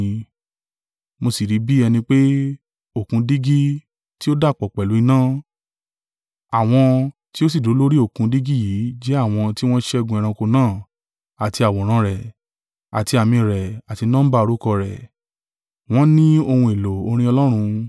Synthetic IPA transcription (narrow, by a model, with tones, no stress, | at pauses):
mo˧si˨ɾi˨˦bi˦ɛ˧nĩ˧k͡pe˦ | o˦˨kũ˧di˦ɡi˦ | ti˦o˦da˦˨k͡pɔ˨k͡pɛ˨lu˨˦i˧nãː˦˨ | a˨w̃ɔ̃˧ti˦o˦s̬i˨du˨˦lo˦ɾi˦o˦˨kũ˧di˦ɡi˦jiː˨˦d͡ʒɛ˦a˦˨w̃ɔ̃˧ti˦w̃ɔ̃˦ʃɛ˦˧ɡũ˧ɛ˧ɾ̃ã˧ko˧nãː˦˨ | a˨ti˧a˨wɔ˨ɾ̃ã˨˧ɾɛ˨ | a˨ti˧a˨mĩ˧˨ɾɛ˨a˨ti˧nã˦ba˦o˧ɾu˦kɔ˧ɾɛ˨ | w̃ɔ̃˦nĩ˦o˧hũ˧e˨lo˨o˧ɾ̃ĩ˦ɔ˧lɔ˦ɾ̃ũ˧